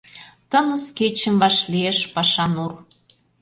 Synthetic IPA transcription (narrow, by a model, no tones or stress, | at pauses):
t̪ənəsket͡ɕə̆mβɑʃlieʃpɑʃɑnur